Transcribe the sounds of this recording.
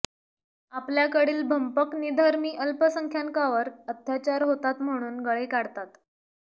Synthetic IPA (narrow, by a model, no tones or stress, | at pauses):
apljakəɽiːlbʱəmpəknid̪ʱaɾmiːʔəlpəsəŋkʰjaŋkaʋəɾət̪ʰjat͡ɕaɾɦot̪at̪m̤əɽ̃uːnɡəɭekaɽt̪at̪